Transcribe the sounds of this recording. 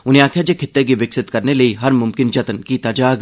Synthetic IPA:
ʊnɦẽaːkʰjad͡ʒekʰɪt̪ːek̬iʋɪksɪt̪kɐɾneləiɦɐɾmʊmkɪnd͡ʒɐt̪nkit̪aːd͡ʒaːɡ

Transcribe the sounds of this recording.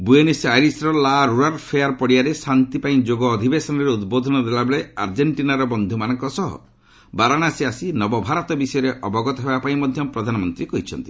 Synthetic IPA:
buenisajɾisɾɔlaɾuɾaɾpʰeaɾpɔɽiaɾesant̪ipaĩd͡ʒoɡɔːd̪ʱibesɔnɔɾeud̪bod̪ʱɔnɔd̪elabeɭeaɾd͡ʒeɳʈinaɾɔbɔnd̪ʱumanɔŋkɔsɔɦɔ̰ | baɾañasiasinɔbɔbʱaɾɔt̪ɔbisɔjɔɾeʔɔbɔɡɔt̪ɔɦebapaĩmɔd̪ʱjɔpɾɔd̪ʱanɔmɔnt̪ɾikɔɦit͡ʃʰɔ̰nt̪i

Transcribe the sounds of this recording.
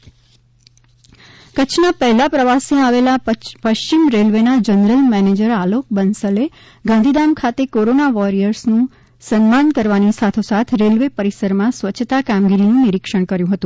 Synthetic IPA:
kət͡ʃʰnapɛɦlapɾəʋaseaʋelapəʃt͡ʃimɾelʋenad͡ʒənɾəlmɛned͡ʒəɾalok̚bənsəle | ɡãnd̪ʱid̪amkʰat̪ekoɾonaʋɔɾijəɾsnũ | sənmankəɾʋanisat̪ʰosat̪ʰɾelʋepəɾisəɾmãsʋət͡ʃʰt̪akamɡiɾinũniɾikʂəɽ̃kəɾjũɦət̪ũ

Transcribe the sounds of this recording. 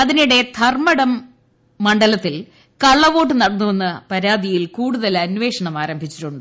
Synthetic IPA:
ɐðiniɽe̞t̪ʰɐrmɐɽɐmː | ɐɳɖɐlɐt̪ːil | kɐɭːɐʋo̞ːʈ̬ːɨnɐɽɐnːuʋe̞nːɐpɐɾaːd̪ijilkuːɽuðɐlɐnʋe̞ːʂɐɳɐmaːɾɐmbʱit͡ɕːi̥ʈːuɳɖɨ

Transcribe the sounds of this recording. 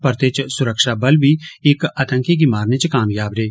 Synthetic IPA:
pəɾt̪eːt͡ʃsʊɾəkʃaːbəlbiːɪkət̪ə̃ŋkiɡimaːɾnet͡ʃkaːmjaːbɾeː

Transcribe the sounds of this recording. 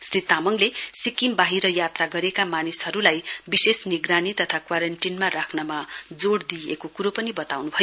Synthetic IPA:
srit̪amʌŋlesikimbaɦiɾʌjat̪raɡʌɾekamanisʌɾulajbisesniɡranit̪ʌt̪ʰakwaɾʌɳʈinmarakʰnʌmad͡zoɽd̪iḛkokuɾopʌnibʌt̪awnubʱʌjo

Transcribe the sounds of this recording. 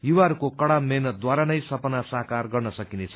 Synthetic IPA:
juwaɦʌɾukokʌɽamenʌt̪̚d̪waɾanʌjsʌpʌnasaɦkarɡʌrnʌsʌkinet͡sʰʌ̥

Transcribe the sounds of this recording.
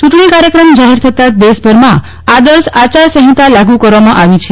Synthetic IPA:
t͡ʃuʈɳ̃ikaɾjəkɾəmd͡ʒaɦeɾt̪ʰət̪ad̪esbʱəɾmã | ad̪əɾsat͡ʃaɾsəɦĩt̪alaɡukəɾʋamãʔaʋit͡ʃʰe

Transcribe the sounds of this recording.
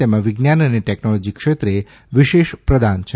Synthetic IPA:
emãʋiɡnjanəneʈeknɔlɔd͡ʒikʂet̪ɾe | ʋiʃeʃpɾəd̪ant͡ʃʰe

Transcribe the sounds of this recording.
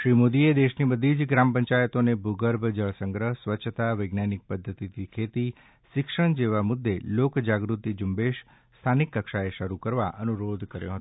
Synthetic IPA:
ʃɾimod̪ied̪eʃnibəd̪ʱid͡ʒɡɾampəɲt͡ʃajət̪onebʱuɡəɾbʱd͡ʒəɭsəŋɡɾəɦsʋətːt͡ʃʰːət̪aʋəɡnanik̚pəd̪ʱːət̪it̪ʰikʰet̪i | ʃɪkʂəɳ̃d͡ʒeʋamʊd̪ːelokd͡ʒaɡɾut̪id͡ʒumbeʃ | st̪ʰanikːəkʃaeʃəɾukəɾʋaʔənuɾod̪ʱkəɾjõ̰ɦət̪

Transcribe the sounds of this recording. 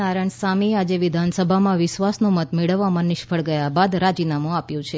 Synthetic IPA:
aɾəɳsamiad͡ʒeʋɪd̪ʱansəbʱamãʋɪʃʋasnũmət̪meɭəʋːamãnɪʃfʰəɭɡəjabad̪ɾad͡ʒinamũapjũt͡ʃʰe

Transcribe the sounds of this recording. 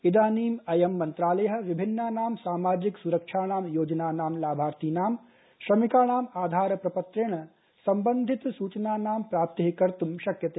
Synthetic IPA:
id̪aːniːmɐjɐmːɐnt̪ɾaːlɐjɐɦɐ̆ʋɪbʱɪnːaːnaːmsaːmaːd͡ʒiksuɾɐkʃʰaːnaːmjoːd͡ʒɐnaːnaːmlaːbʱaːɾt̪iːnaːm | ʃɾɐmikaːnaːmaːd̪ʱaːɾɐpɾɐpɐt̪ɾɪɳ̃ɐ | sɐmbɐnd̪ʱɪt̪suːt͡ʃɐnaːnaːmpɾaːp̚t̪ɐɦikɐɾt̪umʃɐkjɐt̪eː

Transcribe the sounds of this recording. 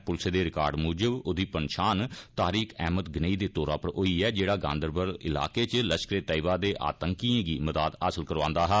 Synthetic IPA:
pʊlseːd̪eːɾɪka̰ːɾɖmuːd͡ʒəbʊd̪iːpənʃaːnt̪aːɾiːkʰɛ̰ːməd̪ɡɪneːiːd̪eːt̪oːɾaːpəɾɦoːiːɛːd͡ʒeːɽaːɡã̰ːnd̪əɾbəɾɪ̰la̰ːkeːt͡ʃləʃkɾeːt̪əiʋaːd̪eːʔa̰ːt̪əŋkiːãːɡiːməd̪aːd̪asəlkəɾʋãːnd̪aːɦɛː

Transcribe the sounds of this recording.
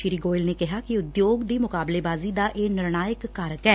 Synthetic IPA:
ʃɪɾiːɡoːɪlneːkɪɦaːkɪʊd̪joːɡd̪iːmʊkaːbleːbaːziːd̪aːʔeːnɪɾnaːjəkːəɾəkɛː

